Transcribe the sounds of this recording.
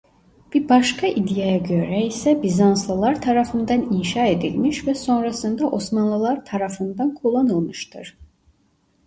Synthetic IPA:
b̥iɾbaʃkʰaʔid̪ijajaɟø̞ɾɛisɛbizanslˠɯlˠaɾt̪ʰaɾafɯnd̪aninʃaːe̞d̪ḭlʲmiʃvɛso̞nɾasɯnd̪aʔo̞smanlˠɯlˠaɾt̪ʰaɾafɯnd̪ankʰulˠːanɯlˠmɯʃt̪ʰɯɾ̥

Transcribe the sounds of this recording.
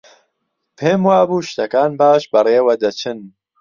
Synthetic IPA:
pʰeːmwaːbuːʃt̪ɐkaːnbaːʃbɐreːwɐd̪ɐt͡ʃʰɨn

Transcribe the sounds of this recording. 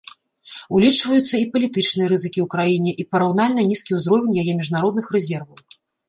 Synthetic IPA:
ulʲit͡ʂvɐjut̪sːɐipɐlʲit̪ɨt͡ʂnɨjɐɾɨzɨkʲiwkɾajinʲɛʔipɐɾawn̪alʲnɐnʲiskʲiwzɾɔvʲɛnʲjajɛmʲiʐnaɾɔd̪nɨxrɛzʲɛrvɐw

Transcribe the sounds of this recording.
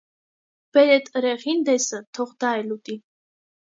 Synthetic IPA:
b̥ɛɾɛt̪ʼɾɛʁind̪ɛsət̪ʰɔχd̪aɛlut̪ʼi

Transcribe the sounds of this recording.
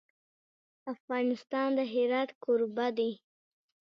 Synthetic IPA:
afɣɑnɪst̪ɑnd̪əɦɪɾɑt̪kʰoɾbad̪e

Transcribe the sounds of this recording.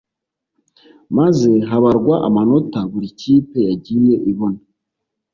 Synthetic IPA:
maze̞ɦaβaɾɡwaʔamano̞taβuɾiciːpe̞jaɟiɾije̞ʔiβo̞na

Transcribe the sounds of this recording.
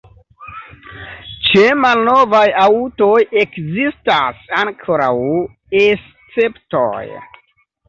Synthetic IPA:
t͡ʃemalno̞vajauto̞je̞kzistasaŋkʰoɾaw | es | t͡se̞pto̰j

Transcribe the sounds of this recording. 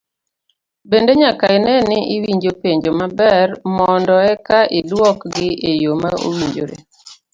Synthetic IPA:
bendeɲakaɪnɛnɪiwiɲd͡ʒopeɲd͡ʒomabɛrmɔndɔɛkaʔɪdwɔkɡɪʔejomaʔo̰wiɲd͡ʒo̰ɾḛ

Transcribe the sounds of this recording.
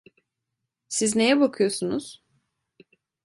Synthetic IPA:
sizne̞jɛbakʰɯjo̞sunuz̥

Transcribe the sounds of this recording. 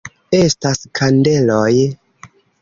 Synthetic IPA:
e̞staskʰande̞loj

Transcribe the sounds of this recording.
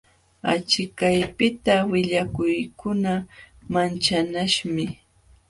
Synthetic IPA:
at͡ʃɪkajpɪt̪awɪʎakʊjkʰʊna | mant͡ʃanaʃmɪ

